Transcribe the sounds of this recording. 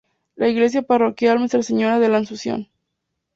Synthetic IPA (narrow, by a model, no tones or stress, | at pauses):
laiɣle̞s̬japaro̞kjalmest̪ɾaseɲoɾaðelansusjo̰n